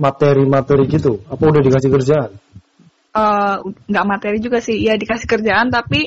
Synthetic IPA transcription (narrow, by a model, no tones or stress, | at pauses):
mat̪eɾimat̪ɛɾiɡit̪uapaudahdikasɪhkərd͡ʒaan | ʔəːŋɡaʔmat̪eɾid͡ʒuɡasɪhjadikasɪ̥hkərd͡ʒaʔant̪api